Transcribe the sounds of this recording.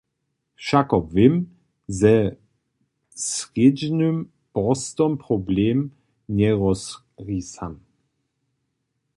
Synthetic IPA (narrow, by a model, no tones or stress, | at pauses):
ʃakɔpvɪm | zɛ | sʁed͡ʑnøm | b̥ɔst̪ɔmpʁɔbleːm | ɲɛʁɔs | ʁisan